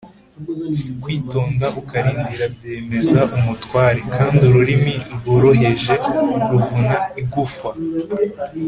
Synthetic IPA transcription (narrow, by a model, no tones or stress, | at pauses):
kwiːtoːŋɡaʔukaɾiːndiɾabjeːme̞zaʔumutwaːɾekʰaːndiuɾuɾimiuɾɡoɾoɦe̞ʒe̞ɾuvunaiɡufwa